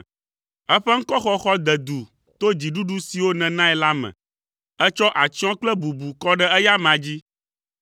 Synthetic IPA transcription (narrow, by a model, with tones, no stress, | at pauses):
ɛ˦ɸɛ˦ŋ̩˦kɔ˦xɔ˦xɔ˦d̪ɛ˨d̪u˨ | t̪o˦d͡ʑi˨ɖu˦ɖu˦si˨wo˦nɛ̃˨nã˦ɛ˨la˦mɛ̰̃˨ | ɛ˦t͡ʃɔ˦ʔa˨t͡ɕɔ̃˦k͡plɛ˦bu˨bu˨kɔ˦ɖɛ˦ɛ˦ja˦mã˨d͡ʑi˦